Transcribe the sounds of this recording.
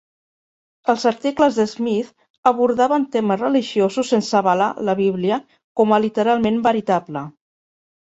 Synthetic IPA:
əlˠzəɾt̪ikləzðəzmiθ | əβ̞uɾðaβənt̪eməzrəliʒiozusːensəβəla̰ləβiβ̞liə | kɔməlit̪əɾalˠmembəɾit̪ablə

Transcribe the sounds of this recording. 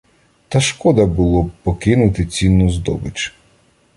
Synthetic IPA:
t̪ɐʃkɔd̪ɐbʊlˠɔpɔkɪnʊt̪ɪt͡sʲinːʊzd̪ɔ̰bɪt͡ʃ

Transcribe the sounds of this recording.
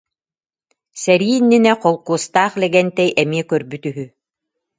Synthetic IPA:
sɛɾiːnːinɛqɔlˠkuːst̪aːχlɛɡɛnt̪ɛjɛmiɛkœɾbyt̪yɦy

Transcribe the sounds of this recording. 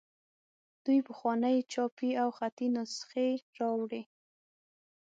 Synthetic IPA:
d̪̥ujpəxwɑnəjt͡ʃɑpiawxat̪inʊsxeɾɑwɽi

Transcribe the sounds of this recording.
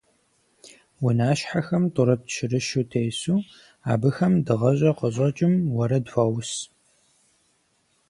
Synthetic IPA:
wʊnaːʃħaxɐmtʼʊɾɐtʃɪrɨʃuːtʰejsuː | a̰ːbɨxɐmdɨʁɐʑʼɐqəɕʼɐt͡ʃʼɪmwɐɾɐdfʷɐws

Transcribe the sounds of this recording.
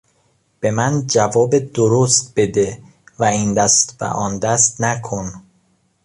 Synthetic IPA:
b̥e̞mænd͡ʒævɒːbed̪oɾost̪̚be̞d̪e | væiːnd̪æst̪bæ̰ʔɒːnd̪æst̪nækʰon

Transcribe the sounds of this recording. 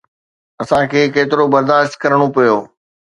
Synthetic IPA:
ɐsãkʰeːkeːt̪ɪɾobɐɾd̪aːʃt̪̚kɐɾəɽ̃opijoː

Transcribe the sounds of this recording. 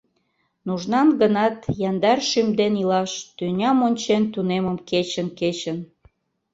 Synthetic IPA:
nuʒnɑnɡənɑt̪jɑnd̪ɑrʃymd̪enilɑʃt̪ynʲɑmonʲt͡ɕent̪uneməmket͡ɕənket͡ɕən

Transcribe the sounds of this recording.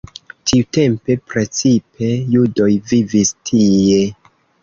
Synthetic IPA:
tʰiute̞mpe̞pɾe̞t͡sipe̞judo̞jvivistʰije̞

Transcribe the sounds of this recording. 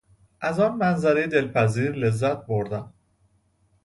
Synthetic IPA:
ʔæzɒːnmænzæɾejed̪e̞lpʰæziːɾle̞zːæt̪̚boɾd̪æn

